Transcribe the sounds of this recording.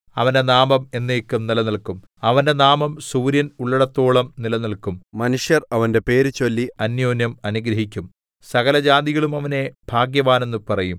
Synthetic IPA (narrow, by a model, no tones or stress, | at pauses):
ɐ̰ʋɐnde̞naːmɐme̞nːeːkːumnilɐnilkum | ɐʋɐnde̞naːmɐmsuːɾjɐnuɭːɐɽɐt̪ːo̞ːɭɐmnilɐniɭkummɐnuʂjɐrɐʋɐnde̞pe̞ːɾut͡ɕo̞lːiɐnjoːnjɐmɐnuɡɾɐɦikʲːum | sɐɣɐlɐd͡ʑaːd̪iɣɐɭumɐʋɐne̞bʱaːɡjɐʋaːne̞nːupɐrɐjum